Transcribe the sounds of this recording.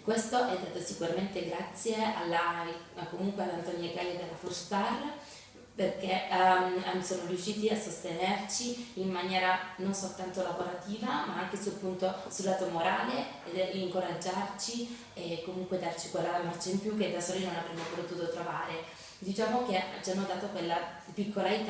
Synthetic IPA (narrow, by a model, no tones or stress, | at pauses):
kːwest̪oʔɛd̪ːet̪ːosikuɾament̪eɡɾat̪sːjea̰lːa | komuŋkwealːant̪ɔnjaɡajad̪elːafurst̪ar | perk̟e | asoːnorjuʃːiːt̪iasːost̪enert͡ʃiimːanjɛːɾanonsolt̪ant̪olavoɾat̪iːvamaaŋkesulpunt̪osulːat̪omoɾaːle | iŋkoɾad͡ʒːart͡ʃi | ekːomuŋkwed̪ːart͡ʃikwelːaamart͡ʃiimpjukːed̪asoːɾinonavɾɛmːopot̪uːt̪ot̪ɾovaːɾe | d̪it͡ʃaːmok̟et͡ʃianːod̪aːt̪okwelːa | pikʰːolait̪